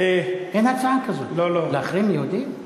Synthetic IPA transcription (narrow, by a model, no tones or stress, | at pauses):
eʔenhat͡saakazolololeaχʁimjehud̪im